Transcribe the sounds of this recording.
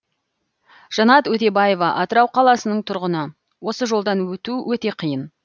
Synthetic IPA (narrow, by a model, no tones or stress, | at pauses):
ʒ̥ɑnɑt̪wɵt̪e̞bɑje̞vɑʔɑt̪əɾɑwqʰɑlˠɑsənəɴt̪ʰʊɾʁənə | wo̞səʒo̞lˠd̪ɑnwɵt̪uwʔɵt̪e̞qʰijən